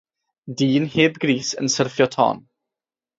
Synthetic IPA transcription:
diːnheːbɡɾiːsə̰nsərfjɔtʰɔ̰ːn

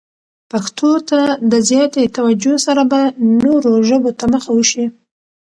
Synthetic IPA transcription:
paxt̪ʰot̪ad̪əzjɑt̪et̪awad͡ʒosaɾabannoɾoʒəbot̪aməxawəʃi

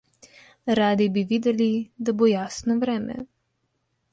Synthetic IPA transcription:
ɾaːd̪ibiʋid̪ɛlid̪abojaːsnɔʋɾɛːmɛ̰

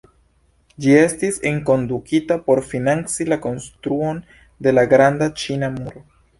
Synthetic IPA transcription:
d͡ʒie̞stiseŋko̞ndukitapo̞ɾfinant͡silako̞nstɾuo̞n | de̞laɡɾandat͡ʃinamuɾo

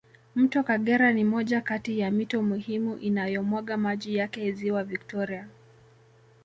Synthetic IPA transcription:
m̩tɔkaɠɛɾanimɔʄakatijamitɔmuhimuʔinajɔmwaɠamaʄijakɛiziwavik̚tɔɾia

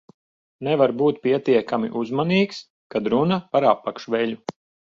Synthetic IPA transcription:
nɛvaɾbuːt̪̚pʲiɛt̪iɛkamḭʔuzmaniːks | kad̪ɾunapaɾapːakʃʋɛʎʲu

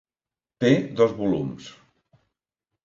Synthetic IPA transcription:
t̪eðɔzβulums

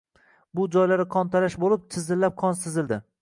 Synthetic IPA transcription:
bʊd͡ʒɒjlaɾɪqʰɒnt̪ʰalaʃbolɪp̚t̪ʰɪzɪlːap̚qʰɒnsɪzɪld̪ɪ

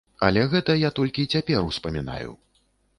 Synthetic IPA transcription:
ɐ̰lʲɛɣɛt̪ɐjat̪ɔlʲkʲit͡sʲapʲɛɾuspɐmʲin̪a̰jṵ

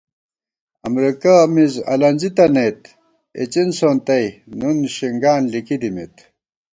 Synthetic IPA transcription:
ɐmɾikamizɐ̰lɐnʲzit̪ɐnɐjt̪ | ḛt͡ɕinsoːnt̪ɐjnunɕiŋɡaːnlikid̪imit̪

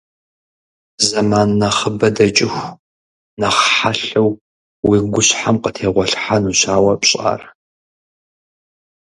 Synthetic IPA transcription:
zɐmaːnːɐχəbɐdɐt͡ʃʼɪxʷ | nɐχħaɬɐw | wiːɡʷʊɕħamqətʰeːʁʷɔɬħanuɕaːwɐpɕʼa̰ːr

